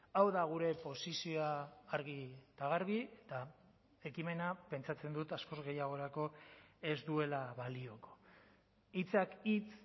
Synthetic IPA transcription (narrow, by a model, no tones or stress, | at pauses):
awðaɣ̞uɾe̞po̞sisioaːɾɣit̪aɣ̞aɾɣiet̪a | e̞kime̞nape̞nt͡sat͡se̞nd̪ut̪asko̞zɣe̞jaɣ̞o̞ɾako̞e̞zd̪ue̞laβalio̞ko̞̥ | it͡sakit͡s